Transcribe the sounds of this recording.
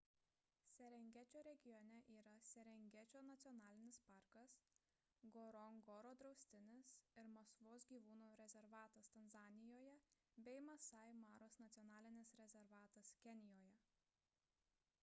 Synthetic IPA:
sʲɛɾʲɛŋʲɡʲɛt͡ʃʲoːɾʲɛɡʲɪjɔnʲɛʔiːɾɐsʲɛɾʲɛŋʲɡʲɛt͡ʃʲoːnɐt̪sʲɔnɑːlʲɪnʲɪspɑˑɾkɐs | ɡɔːɾɔŋɡɔːɾoːd̪ɾɒʊsʲt̪ʲɪnʲɪsɪɾmɐskʋoːsɡʲiːʋuːnuːɾʲɛzʲɛɾʋɑːt̪ɐst̪ɐnzɑːnʲɪjoːjɛbʲɛɪmɐsɐɪmɑːɾoːsnɐt̪sʲɔnɑːlʲɪnʲɪsɾʲɛzʲɛɾʋɑːt̪ɐskʲɛnʲɪjoːjɛ

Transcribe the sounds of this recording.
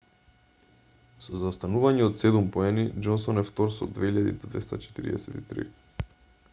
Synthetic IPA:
sɔzaost̪anuvaɲɛot̪sɛd̪umpoɛnid͡ʒɔnsɔnɛft̪oɾsɔ̰d̪vɛiʎad̪ḭd̪od̪vɛst̪at͡ʃɛ̥t̪iɾḭɛ̰sɛt̪it̪ɾḭ

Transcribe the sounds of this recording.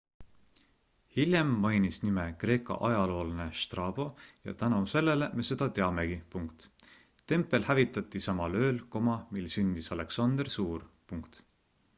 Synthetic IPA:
hilʲje̞mːɑjnisnime̞kre̞ːkˑɑ̰ʔɑjɑlo̞ːlne̞ʃt̪rɑːb̥o̞jɑ̰t̪ænose̞lːe̞le̞me̞se̞d̪̥ɑt̪e̞ɑme̞ɡ̥ipuŋkt̪ | t̪ːe̞mpːˑe̞lhævit̪ːˑɑt̪ːˑisɑmɑlø̞ːlko̞mɑmilsynʲd̪̥isɑle̞ksɑnd̪̥ersuːrpuŋkt̪

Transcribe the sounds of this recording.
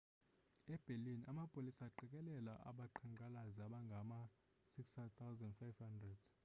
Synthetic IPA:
ɛb̥ʱelinamapʼolisaːǃɛk̬ʼɛlɛlaʔa̰ɓaǃʰaŋǃʱalazaɓaŋɡʱama | sikst̪ʰawzandfajvhandrɛd̥

